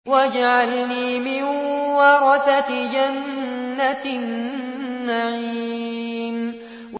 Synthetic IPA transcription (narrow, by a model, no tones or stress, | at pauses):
wad͡ʒaʕalniːmɪnwɑɾˤɑθat̪d͡ʒanːat̪nː | aʕiːm | w